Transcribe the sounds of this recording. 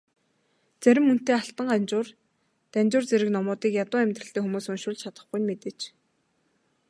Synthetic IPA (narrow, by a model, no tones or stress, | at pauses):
t͡sæɾʲɪ̆mːun̥t̪eːaɬt̪ə̆ɴɢant͡ɕʊːr | t̪ænʲt͡ɕʊːrt͡sæɾɘ̆knɔmʊːt̪iːkjat̪ʊːæmʲt̪rə̆ɬt̪eːxumuːsʊnʃʊːɮt͡ɕʰat̪ə̆χɡujmet̪eːt͡ɕ